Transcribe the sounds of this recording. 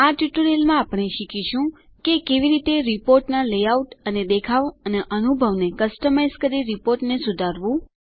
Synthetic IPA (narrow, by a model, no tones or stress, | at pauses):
aʈjuʈəɾelmãːpɳ̃eʃikʰiʃũ | kekeʋiɾit̪eɾipoɾʈnalejauʈəned̪ekʰaʋəneʔənubʱəʋnekəsʈəmajzkəɾiɾipoɾʈnesud̪ʱaɾʋũ